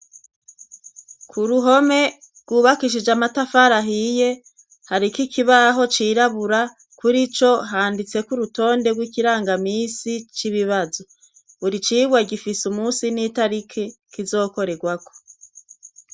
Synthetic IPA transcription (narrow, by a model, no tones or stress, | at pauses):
kʰuɾuɦo̞me̞ | ɡwuːβakiʃ̬id͡ʒamatafaɾaɦije̞ | haɾikikiβaɦo̞t͡ʃiːɾaβuɾa | kuɾit͡ʃo̞ɦaːndit͡se̞kuɾuto̞ːnde̞ɡwikiɾaːŋɡamiːsit͡ʃiβiβazo | βuɾit͡ʃiːɡwaɡifisumuːsiniːtaɾikʰe | kizo̞ːko̞ɾe̞ɡwako̥